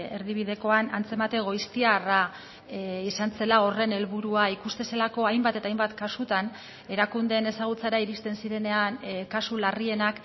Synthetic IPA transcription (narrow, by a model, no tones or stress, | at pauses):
e̞ɾðiβ̞iðe̞ko̞anant͡se̞mat̪e̞ɣ̞o̞jst̪iara | isanse̞lao̞re̞ne̞lβuɾuaikust̪e̞se̞lako̞ajmbat̪e̞t̪ajmbat̪kasut̪an | e̞ɾakund̪e̞ːne̞saɣ̞ut͡saɾaiɾist̪e̞nsiɾe̞ne̞ankasularie̞nak